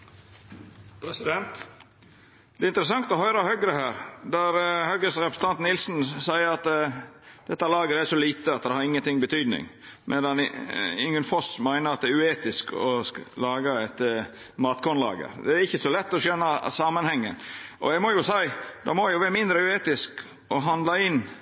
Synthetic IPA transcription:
pɛsd̪ɛnt̪ | d̪̥ɛːɪnt̪əɾəsɑŋt̪ɔɦœʏɾəhœɡɾəhæːɾd̪æɾhœɡəsɾɛpɾəsənɑnt̪nɪlsn̩sæɪəɾɑt̪ | d̪̥ɛt̪ːɑlɑːɡəæʂɔliːt̪əɑt̪d̪ɛhɑɾɪŋːənt̪ɪŋːbət̪ʰyːd̪nɪ̰ŋmʔɛ̰d̪ɑnɪŋənfɔsmæɪnəɾɑt̪̚d̪ɛæɾʉeːt̪ɪskɔ̰lɑːɡɑɛt̪ | mɑːt̪kʰɔnlɑ̰ːɡə̰ɾd̪ɛæɾɪçːəsɔlɛt̪ːɔsœnːɑsɑmənhɛŋːə̰nʔɔ̰jɛɡmɔjʊsæɪd̪ɑ̰mɔjʊʋæːɾmɪnd̪ɾəʉeːt̪ɪsk | ɔɦɑnd̪lɑɪnː

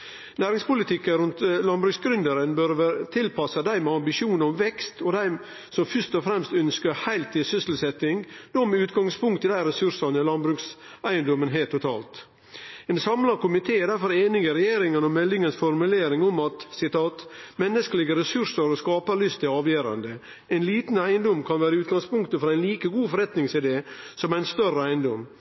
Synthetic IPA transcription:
næːɾɪŋspʊlɪt̪ʰɪkːəɾʉnt̪lɑnbɾʉksɡɾʉnd̪əɾənbœɾʋæt̪ʰɪlpʰɑsɑd̪æɪmɛɑmbɪʃuːnɔmʋɛkst̪ɔd̪æɪ | sɔmfœʂt̪ɔfɾɛmst̪œnskəhæɪlt̪ʰːɪlsʏsl̩sɛt̪ːɪŋd̪̥oːmɛʉːt̪ɡɑŋspʰʊŋkt̪ɪd̪æɪɾɛsʉɾʂɑnəɪlɑnbɾʉksæɪənd̪ɔmənɦeːt̪ʰːʊt̪ʰɑ̰ːlt̪ | ensɑmlɑɾkʊmɪt̪ʰeːd̪æɾfɔɾeːnɪɡəɾɛjeːɾɪŋənɔmːɛlːɪŋənsfɔɾmʉleːɾɪŋɔmɑt̪sɪt̪ɑːt̪mɛnːəskəlɪɡəɾɛsʉɾʂəɾɔskɑːpəɾɭʏst̪ʰɪɑːʋjøːɾɑ̰nd̪ə | ʔæɪnliːt̪n̩æɪənd̪ɔmːkʰɑnʋæːɾəʉːt̪̚ɡɑŋspʊŋkt̪əfɔɾæɪnliːkəɡuːfɔɾɛt̪nɪŋsɪd̪eːsɔmæɪnst̪œrəæɪnd̪ɔmː

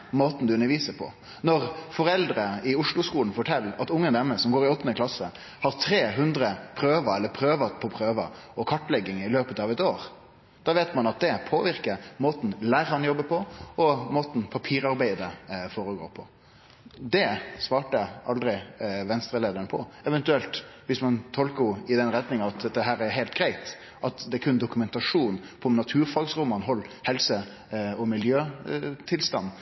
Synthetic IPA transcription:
moːt̪n̩d̪ʉʉnːəɾʋiːsəpʰɔ̰ | nɔʁfɔɾɛld̪ɾəɪʊʂlʊskuːln̩fɔʈʰɛlːɑt̪ʊŋːənd̪ɛməsɔmɡoːɾɪɔt̪ːnəkʰlɑsːə | hɑɾt̪ʰɾeːɦʉnd̪ɾəpʰɾøːʋɑɛlːəɾpʰɾøːʋɑpʰɔpʰɾøːʋə | ɔkʰɑʈːlɛɡːɪŋɪløːpət̪ɑʋɛt̪oːɾ | d̪̥ɑːʋeɪt̪mɑnɑt̪̚d̪ɛpʰoːʋɪɾkəɾmoːt̪n̩læːɾhɑnjɔbːəpʰɔɔmoːt̪n̩pʰɑpʰiːɾɑɾbæɪd̪əfɔːɾəɡo̰ːpʰɔ | d̪ɛsʋɑːʈəʔɑld̪ɾɪʋɛnst̪ɾəleːd̪əɾənəpʰɔɛʋɛnt̪ʉɛlt̪ʋɪsmɑnt̪ʰɔlkəɪd̪ɛnɾɛt̪nɪŋɑʋɑt̪̚d̪ɛt̪ːəɦæːɾæɾɦæɪlt̪ɡɾæɪt̪ | ʔɑt̪d̪ɛækʰʉnd̪ʊkʉmɛnt̪ɑʂuːnpʰɔmnɑt̪ʰʉːɾfɑːɡsɾʊmɑnɦɔlːhɛlsə | ɔmɪljøːt̪ʰɪlst̪ɑ̰nː

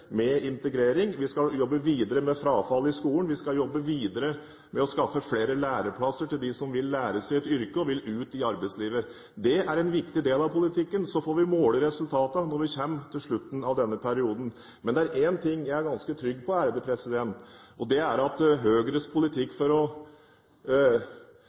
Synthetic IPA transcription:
mɛɪnt̪əɡɾeːɾɪŋʋɪskɑjɔbːəʋiːd̪əɾəmɛfɾɑːfɑlːɪskuːlənʋɪskɑljɔbːəʋiːd̪əɾə | mɛɔskɑfːəfleːɾəlæːɾəpʰlɑsːəʈʰɪld̪ɪsɔmʋɪlːæːɾəsæɪɛt̪ʏɾkəɔʋɪlʉːt̪ɪɑɾbæɪsliːʋə | d̪ɛæɾɛnʋɪkt̪ɪd̪eːlɑʋpʰʊlɪt̪ʰɪkːənsɔfoːɾʋɪmoːləɾɛsʉlt̪ʰɑːt̪ənɔɾʋɪçɛmːt̪ʰɪlʂɭʉt̪ːn̩ɑʋd̪ɛnːəpʰæɾɪuːd̪n̩ | mɛnd̪ɛæɾʔent̪ʰɪŋːjæɪæɾɡɑnskət̪ʰɾʏɡːpʰɔæːɾəd̪əpʰɾɛsɪd̪ɛnt̪ɔd̪ɛæɾɑt̪ɦøːɡɾəspʰʊlɪt̪ʰɪkːfɔɾɔ

